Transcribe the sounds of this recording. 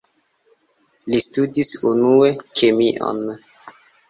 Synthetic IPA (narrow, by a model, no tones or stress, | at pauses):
listudisunue̞kʰemiʔo̰n